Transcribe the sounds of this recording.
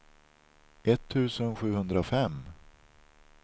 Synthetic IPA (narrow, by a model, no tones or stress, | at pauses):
ʔɛt̪ʰːʉ̟ːsənɧʉ̟ːhɵnd̪ɾafɛmː